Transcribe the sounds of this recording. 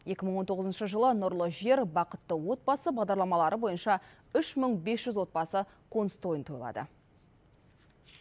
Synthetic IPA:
je̞kʲɪməɴwo̞nt̪ʰo̞ʁəzənʃəʒəlˠənʊɾlˠəʒe̞ɾbɑqət̪ːəwo̞t̪̚bɑsəbɑʁd̪ɑɾlˠɑmɑlˠɑɾəbo̞jənʃɑ | ʏʃməɴbe̞sʒ̥ʏzwo̞t̪̚bɑsə | qʰo̞nst̪o̞jənt̪ʰo̞jlˠɑ̰d̪ə̰

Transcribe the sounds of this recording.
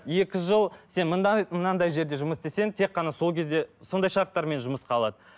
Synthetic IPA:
je̞kʲɪʒəlˠse̞nməmənɑnd̪ɑjʒe̞ɾd̪e̞ʒʊməsd̪e̞se̞nt̪ʰe̞qːɑnɑso̞lˠkʲʰe̞zd̪e̞so̞nd̪ɑjʃɑɾt̪ːɑɾme̞nʒʊməsqɑlˠɑd̪ə

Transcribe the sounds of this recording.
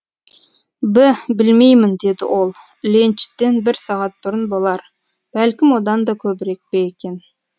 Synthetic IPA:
bɪbɪlmejmɪnd̪e̞d̪ɪ̰wo̞lˠ | lent͡ʃɪ̥t̪ːe̞nbɪɾsɑʁɑt̪̚bʊɾənbolˠɑɾ | b̥ælkʲɪmwo̞d̪ɑnd̪ɑkʲʰɵbɪɾek̚bejekʲe̞n

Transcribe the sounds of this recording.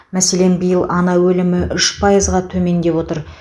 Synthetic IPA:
mæse̞le̞nbəjəlˠɑnɑwɵlɪmɪʔʏʃpʰɑjəzʁɑt̪ʰɵme̞nd̪e̞wo̞t̪əɾ

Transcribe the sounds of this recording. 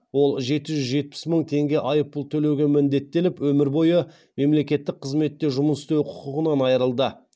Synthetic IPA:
wo̞lˠʒe̞t̪ɪʒʏzʒe̞t̪̚pɪ̥sməɴt̪ʰe̞ŋɡʲe̞ʔɑjəpːʊlˠt̪ʰɵle̞wɡʲe̞mɪnd̪e̞t̪ːe̞lɪpwɵmɪɾbo̞jə | me̞mle̞kʲe̞t̪ːɪk̚qʰəzme̞t̪ːe̞ʒʊməsɪ̥st̪ewqʰʊ̥qʊʁənɑnɑjəɾəlˠd̪ə

